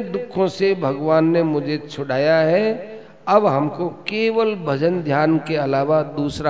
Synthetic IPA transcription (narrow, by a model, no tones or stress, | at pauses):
d̪ʊkʰːõsebʱɐɡʋaːnːemʊd͡ʒʱet͡ʃʰʊɽ̤ʱaːjaɦɛ | ɐbɦɐmkokeːʋəlbʱɐd͡ʒənd̪ʱjaːnkeɐlaːʋad̪uːsɾa